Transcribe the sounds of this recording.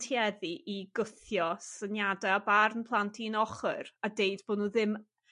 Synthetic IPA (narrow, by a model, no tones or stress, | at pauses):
tʰjɛðiʔiɡʊθjɔsənjadɛabarnpʰlˠantʰinɔχɨradejdboːdnuːðɪm